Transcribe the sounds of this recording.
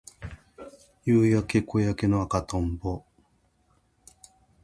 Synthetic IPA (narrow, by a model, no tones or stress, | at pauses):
jɯːjake̞kojake̞noakat̪õmbo